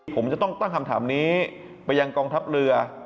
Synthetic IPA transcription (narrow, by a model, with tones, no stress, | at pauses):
pʰo˩˦mt͡ɕa˨˩t̪ɔ˥˩ŋt̪a˥˩ŋkʰa˧mt̪ʰaː˩˦mniː˦˥ | pa˧jːa˧ŋkɔː˧ŋt̪ʰa˦˥p̚ɾɯ˧ɐ